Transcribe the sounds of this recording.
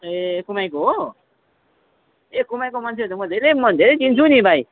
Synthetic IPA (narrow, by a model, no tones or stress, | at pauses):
ekumajkoɦo | ekumajkomant͡sʰet͡sʰomʌd̪ʱeɾemʌd̪ʱeɾejt͡sint͡sʰunibʱaj